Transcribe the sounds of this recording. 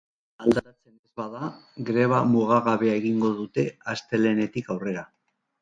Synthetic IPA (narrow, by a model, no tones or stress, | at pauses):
ald̪aat͡se̞nezβaðaɡɾe̞β̞amuɣ̞aɣaβe̞ae̞ɣiŋɡo̞ðut̪e̞ast̪e̞le̞ne̞t̪ikawre̞ɾa